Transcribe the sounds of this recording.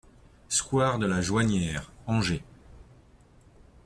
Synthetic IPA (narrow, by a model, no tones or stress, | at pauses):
skwaʁd̪əlaʒwaɲjɛːʁɑ̃ʒe